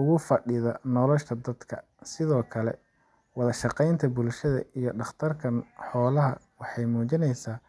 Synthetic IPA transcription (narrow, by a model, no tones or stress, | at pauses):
ʊɣʊfɐɖɪðɐnɔlɔʃt̪ʰɐd̪ɐd̪kʰɐ | sɪðɔːkʰɐlɛ̰ | wɑðɐʃɑqɛjnt̪ʰɐbʊlʃɐðɐ̰ʔijɞɖɑχt̪ʰɐrkʰɐnħɔːlɐɦɐ̰ | wɑħɑjmuːt͡ʃɪnɛjsaː